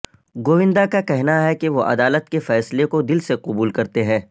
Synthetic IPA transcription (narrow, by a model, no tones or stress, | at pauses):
ɡoːʋɪ̃nd̪akakɛɦnaɦɛkeʋoʔɐ̰d̪aːlət̪kefɛːslekod̪ɪlseqʊbuːlkɐɾt̪eɦɛ̃ː